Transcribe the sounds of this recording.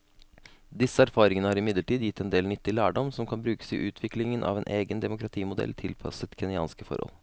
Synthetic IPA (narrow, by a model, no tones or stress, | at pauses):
d̪ɪsːəæɾfɑːɾɪŋənəhɑɾɪmɪd̪ləʈiːd̪jɪt̪ːɛnd̪eːlnʏt̪ːɪlæːɖɔmsɔmkʰɑnbɾʉːkə̥sɪʔʉːt̪ʰʋɪklɪŋənʔɑ̰ʋɛːnʔeːɡənd̪ɛmʊkɾɑt̪ʰiːmʊd̪ɛ̰lt̪ʰɪlpʰɑ̰sət̪kʰɛnɪɑ̰ːnskəfɔ̰ɾhɔ̰l